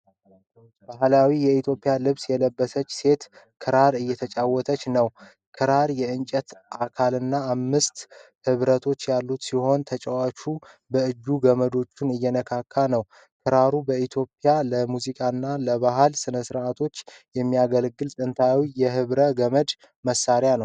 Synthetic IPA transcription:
baɦlawijɛit̪ʰjo̞pʼɪjalɨβsjɛləbːəsət͡ʃːse̞t̪kʰɨɾaɾɨjːɛt̪ʰət͡ʃʼawːɔt̪ʰət͡ʃːnəw | kʰɨɾaɾjɛɨnt͡ʃʼət̪ʔakʰalɨnːaːmːɨst̪hɨβɾət̪ʰo̞t͡ʃːjalːut̪siho̞nt̪ʰət͡ʃʼəwat͡ʃu | bəɨd͡ʒːuɡəməd̪o̞t͡ʃːɪnɨjːɛnəkʰakʰːanəw | kʰɨɾaɾubəit̪ʰjo̞pʼijaləmuzikʼanːaləβaɦalsɨnəsɨɾʔat̪ʰo̞t͡ʃːjɛmːijaɡəlɡɨlt̪ʼɨnt̪ʰawijɛɦɨβɾəɡəməd͡ʒ̪ | məsːaɾjanəw

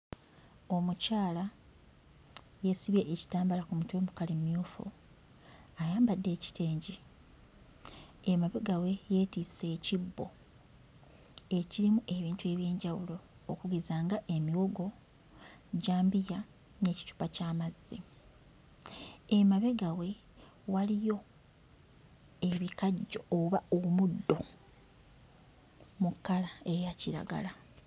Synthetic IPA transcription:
o̞mucaːla | je̞siβje̞ʔːci̥taːmbalakumutwe̞mukalimmjuːfṵ | ajaːmbadːe̞ːci̥tʰe̞ːɲɟi | emaβeɡawe̞je̞tiːse̞ːcibːo̞̰ | e̞ciɾimuʔe̞βiːntue̞ːβje̞ːɲɟawulo̞ː | kuɡizaːŋɡaʔe̞miwo̞ɡo̞ | ɟaːmbija | ne̞ːci̥tu̥pacaːmazːi | emaβe̞ɡawe̞ | walijo̞ | e̞βikaɟːo̞oβaomudːo̞ | mukːalae̞jaciɾa̰ɡa̰la

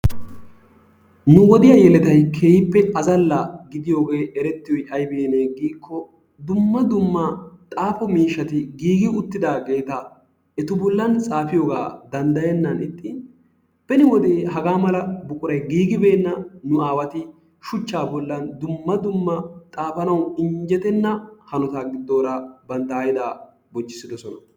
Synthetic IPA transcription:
nʊwɔd̪ɪjɐjɛlɛt̪ɐjkʰeːjɪpːɛɐzɐlːɐɡɪd̪ɪjo̞ːɡe̞ːʔɛɾɛt̪ːɪjɔjʔɐjbeːneːɡiːkʰːɔ | d̪ʊmːɐd̪ʊmːɐt̪ʼaːfɔmiːʃːɐt̪ɪɡiːɡɪʊt̪ːɪd̪aːɡe̞ːt̪a | ʔɛt̪ʊbɔlːɐnt͡sʼaːfɪjo̞ːɡa̰ːd̪ɐnd̪ɐjɛnːɐnɪt̪ʼːɪ | bɛnɪwɔd̪eːɦɐɡaːmɐlɐbʊkʼʊɾɐjɡiːɡɪbe̞ːnːɐnʊaːwɐt̪ɪ | ʃʊt͡ʃːaːbɔlːɐnd̪ʊmːɐd̪ʊmːɐt̪ʼaːfɐnɐwɪɲd͡ʒɛt̪ɛnːɐhɐnɔt̪aːɡɪd̪ːo̞ːɾabɐnd̪ɐjɪd̪aː | bɔt͡ʃːɪsɪd̪ɔsɔnɐ

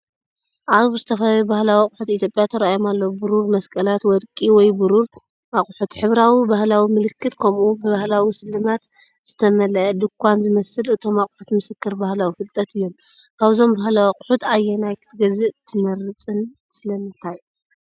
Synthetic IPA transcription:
ʔaβzɨt̪ʰɐfɐlajubahlawikʼʊħut̪it̪jopʼjat̪ʰɐɾajomalːɐwbɨɾuɾmɐskʼɐlat̪wɔd̪kʼiwɔjbɨɾuɾ | aχʼħut̪ħɨβɾawibahlawimɨlɨkːɨt̪kʰɐmʔubɨβahlawisɨlːɨmat̪ | z̥ɨt̪ʰɐmɐlɐʔd̪ɨkʰʷːanzɨmɐsɨlɨt̪ʰo̞maqʼħut̪mɨsɨkːɨɾbahlawifɨlt̪ʼɐt̪ʰɨjːo̞m | kʰaβzo̞mbahlawiqʼʊħut̪ʰajːɛnajkʰɨ̥t̪ɡɐzɨʔt̪ʰɨmɐɾɨt͡sʼɨn | sɨlɐmɨnt̪ʰaj

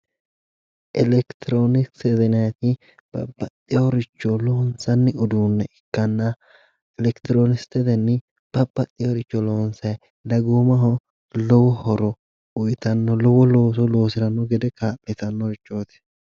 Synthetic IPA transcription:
ʔɛlɛkt̪ɪɾonɪkt̪ɛd̪ɛnɐt̪ɪ | b̥ɐ̰bːɐt̪ʼːɪjoɾɪt͡ʃːɔlonsɐnːɪʊd̪uːnːɛɪkːɐnːɐ | ɛlɛkt̪ɪɾoːnɪst̪ɛd̪ɛnːɪ | b̥ɐbːɐt̪ʼːɪjoɾɪt͡ʃːɔloːnsɐj | d̪ɐɡoːmɐɦɔ | lɔwɔhɔɾɔ | ʊjt̪ɐnːɔlɔwɔloːs̬ɔlo̞ːsɪɾɐnːɔɡɛd̪ɛkaːpʼːɪt̪ɐnːɔɾɪt͡ʃːoːt̪ɪ̥

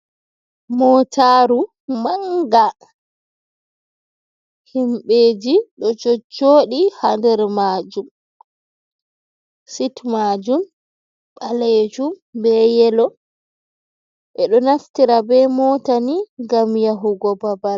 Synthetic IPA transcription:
mɔtʰaːɾu | maŋɡa | himɓeːd͡ʒiɗɔt͡ʃɔt͡ʃːoːɗihandɛɾmaːd͡ʒum | sitmaːd͡ʒum | ɓaled͡ʒumbɛjɛlɔ | ʔɛɗɔnaftiɾabɛmɔtaniŋɡamjaɦuɡɔbabal

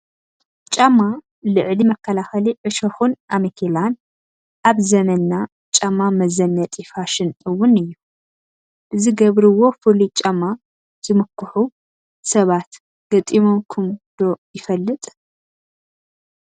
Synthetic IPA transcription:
t͡ʃʼɐmːa | lɨʕlimɐkːɐlaxɐliʕɨʃɐxunʔamikʰelan | ʔaβzɐmɐnːa | t͡ʃʼɐmːamɐzɐnːɐt̪ʼifaʃɨnɨwːʊnɨjːu | bɨzɨɡɐβɾɨwo̞fɨlit͡ʃʼɐmːa | z̥ɨmɨkʰːɨħu | sɐβat̪ | ɡ̥ɐt̪ʼimokʰɨmd̪̥o̞jɪfɐlːɨt̪ʼ

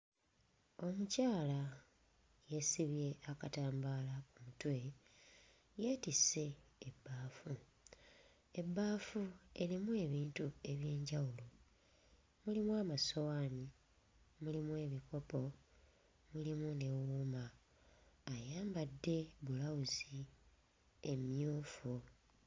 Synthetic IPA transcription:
o̞mucaːla | jesiβje̞ʔakataːmbaːlakumutwe | je̞tise̞ːbːaːfu | e̞bːaːfue̞ɾimue̞βiːntue̞βje̞ːɲɟawulo | mulimwaːmaso̞waːni | mulimuwe̞ːβiko̞po̞ | mulimune̞wuːmaː | jaːmbadːe̞βulawuzi | emjoːfu

